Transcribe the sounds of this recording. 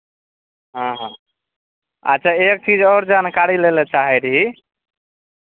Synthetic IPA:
ɦə̃ɦã | ə̰tːt͡ʃʰaek̚t͡ʃid͡ʒɔɾd͡ʒankaɾilelɛt͡ʃaɦɛt̪ɦi

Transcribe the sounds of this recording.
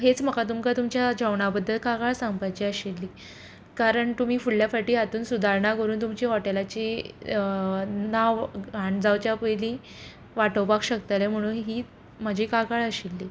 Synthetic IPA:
ɦet͡sm̤əkat̪umkat̪umt͡ɕjad͡ʑəʋɳabəd̪ʱːəlkakaɭsãŋɡpajt͡ɕiːəɕilːiː | kaɾəɳt̪um̤iːfuɭljafaʈiːat̪uːnsud̪ʱaɾɳakəɾuːnt̪umt͡ɕiːɦɔʈelat͡ɕi | naʋɡʱaɳd͡zawt͡ɕjapəjliː | ʋaʈəwpakɕəkt̪alem̤əɽ̃uːnɦiː | məd͡ʑʱiːkakaɭəɕilːiː

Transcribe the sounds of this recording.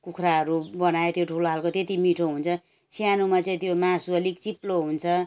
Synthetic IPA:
kukʰraɦʌɾubʌnajet̪joʈʰuloɦalkot̪et̪imiʈʰoɦunt͡sʰʌ | sjanumat͡saĩt̪jomasuʌlik̚t͡siploɦunt͡sʰʌ

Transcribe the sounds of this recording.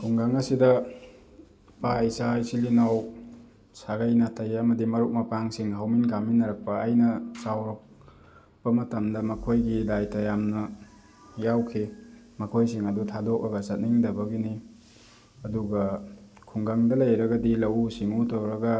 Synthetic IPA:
kʰuŋɡaŋɐsidɐ | paisajsilinaw | saɡajnatʰɐjɐmɐdimɐɾuk̚mɐpaŋsiŋɦawminɡaminːɐɾɐk̚pɐːjnɐsawɾok̚ | bɐmɐtɐmdɐmɐkʰojɡidajtɐjamnɐ | jawkʰi | mɐkʰojsiŋɐdutʰadok̚ɐɡɐsɐt̚niŋdɐbɐɡini | ɐduɡɐ | kʰuŋɡaŋdɐlɐjɾɐɡɐdilɐwusiŋutɐwɾɐɡɐ

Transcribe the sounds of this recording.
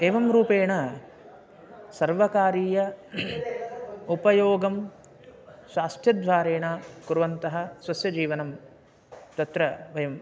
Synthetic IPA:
eːʋɐmɾuːpeːɳɐ | sɐɾʋɐkaːɾiːjɐ | upɐjoːɡɐm | ʃaːst̪ʰjɐd̪ʋaːɾeːɳɐkuɾʋɐnt̪ɐɦɐ̆sʋɐsjɐd͡ʒiːʋɐnɐm | t̪ɐt̪ɾɐʋɐjɐm

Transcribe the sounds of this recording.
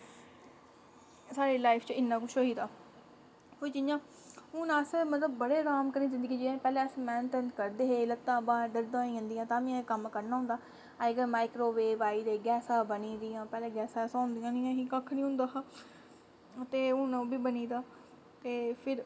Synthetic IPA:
saːɾeːlaːɪpʰt͡ʃɪnːãːkʊʃʰoːiːd̪aː | pod͡ʒɪjãː | ʊnãːsmət̪ləb̚ːəɽeːɾaːmkəɾniːzɪnd̪əɡiːd͡ʒẽpɛːlẽːəsmɛ̃ːnt̪ɛ̃nkəɾd̪eːɦeːlət̪ːãːbãːɖəɾd̪ãːĩːɦə̃nd̪ijãːt̪ãːmĩãːkəmkəɾnaːɦʊ̃nd̪aː | aɡəɾmaːɪkɾoːʋeːbaːiːd̪eːɡɛːsãːbəniːd̪ɪjãːpɛːlẽːɡɛːsãːɛsãːnd̪ijãːnɪjãːɦiːkakʰːnĩːɦʊ̃nd̪aː | t̪eːʊnãːbʱiːbəniːd̪aː | t̪eːpʰɪɾ

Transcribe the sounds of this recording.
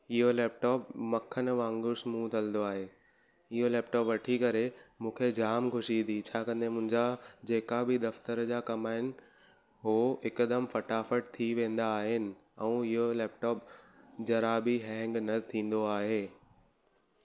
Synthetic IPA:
ɪɦolɛːp̚ʈɔːpmɐkʰənʋãːŋɡʊɾsmũːt̪ʰɐlnd̪oaːɦeː | ɪɦolɛːp̚ʈɔːpʋɐʈʰikɐɾemũːkʰed͡ʑaːmkʰʊʃid̪it͡ɕʰaːkɐ̃nd̪emʊ̃ɦɪ̃ɲd͡ʑad͡ʑeːkabɪd̪ɐft̪əɾd͡ʑaːkɐmaːɦɪnɪ̆ | ɦoːɪkəd̪əmfɐʈaːfəʈ̚t̪ʰiʋẽːnd̪aːɦɪnɪ̆ | ɛ̃ːɪɦolɛːp̚ʈɔːp̚d͡ʑɐɾaːbiɦɛ̃ːŋɡnɐt̪ʰĩːn̆d̪oaːɦeː

